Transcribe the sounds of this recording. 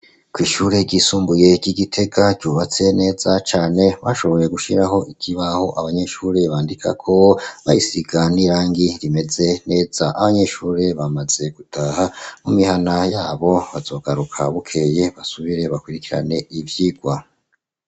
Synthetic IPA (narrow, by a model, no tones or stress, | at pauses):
kwiːʃuːɾe̞ɾɟiːsuːmbuje̞ɟiɡitʰe̞ɡaɟuːβat͡se̞ne̞ːz̥at͡ʃaːne̞βaʃo̞βo̞je̞ɡuʃiɾaɦo̞ʔikʰiβaho̞ʔaβaɲe̞ʃuɾe̞βaːndikʰa̰kʰo̞βajisiɡaniɾaːŋɡiɾime̞ze̞ne̞ːz̥aʔaβaɲe̞ʃuːɾe̞βamaz̥e̞ɡ̥utʰaːhamumihanajaːβo̞βaz̥o̞ːɡ̥aɾukʰaβukʰe̞jeβasuβiɾe̞βakwiɾikiɾa̰ne̞ivjiɡwa